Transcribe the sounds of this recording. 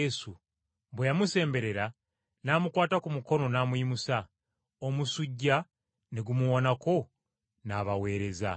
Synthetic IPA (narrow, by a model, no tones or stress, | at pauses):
esu | βwejamuse̞ːmbe̞ɾe̞ɾa | naːmukwaːtakumuko̞no̞naːmuimusa | omusuɟːa | neɡumuwonako̞ | naːβawe̞ːɾe̞za̰